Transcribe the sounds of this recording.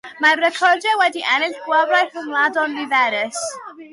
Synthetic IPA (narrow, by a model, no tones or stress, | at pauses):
marːɛkʰɔrdɛwɛdiʔɛnɪɬɡwavrajθəmlˠadɔnːivɛɾɪs